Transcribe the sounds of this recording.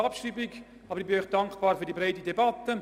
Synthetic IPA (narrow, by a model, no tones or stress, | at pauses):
ɑpʃryːbɪk | ɑːbəɾɪkb̥ɪnœʏχd̥ɑŋkb̥ɑːrfyːdibreɪdədebatə